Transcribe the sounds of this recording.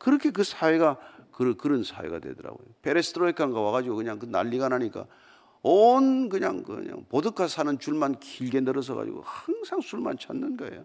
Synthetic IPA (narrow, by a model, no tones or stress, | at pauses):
kɯɾʌkʰe̞k̬ɯsʰaweɡakɯɾɯkɯɾɯnsʰa̰wḛɡa̰dwe̞̰dɯɾa̰ɡojopʰe̞ɾesʰɯ̥tʰɾoikʰaŋɡawaɣad͡ʑiɡokɯɲaŋkɯna̰ʎːiɡanɦaɲik͈a̰ | onkɯɲa̰ŋkɯ̰ɲa̰ŋpodɯkʰasʰanɯnt͡ɕuɭmankiʎɡe̞nɯɾɯs̬ʰʌɡa̰d͡ʑḭɡo̰haŋsʰaŋsʰuɭma̰nt͡ɕʰanːɯnɡaḛjo